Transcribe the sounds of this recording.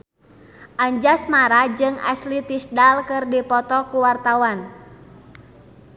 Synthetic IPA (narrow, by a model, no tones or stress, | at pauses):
ʔaɲd͡ʒasmaɾad͡ʒɨŋa̰slit̪isdalkɨrdipɔt̪ɔkuwart̪awan